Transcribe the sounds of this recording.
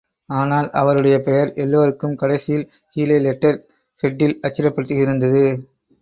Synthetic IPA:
aːnaːlʔɐʋɐɾɯɽɐjɐpɛjɐɾʔɛlːoːɾɯkːɯmkɐɽɐɪsɪjɪl | hiːlɐlɛʈːɐɾ | kɛʈːɪlɐt͡ʃːɪɾɐpːɐɽɯt̪ːɯɣɪɾɯnd̪ɐðɯ

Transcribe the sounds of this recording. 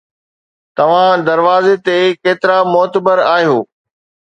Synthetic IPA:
t̪ɐʋ̤ãd̪ɐɾʋaːzet̪ekeːt̪ɪɾamɔːt̪əbəɾaːɦijoː

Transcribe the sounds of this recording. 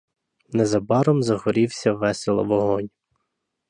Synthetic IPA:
nɛzɐbɑɾɔmzɐhɔɾʲiwsʲɐʋɛselˠɐ̰ʋɔɦɔnʲ

